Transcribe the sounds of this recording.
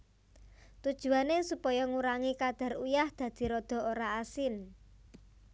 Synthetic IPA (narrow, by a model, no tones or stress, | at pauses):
t̪ud̥ʒ̥ṳanesupɔjɔŋuɾaŋikad̪̥a̤rujahd̪̥ä̤d̪̥i̤ɾod̪̥ɔ̤oɾaːsɪn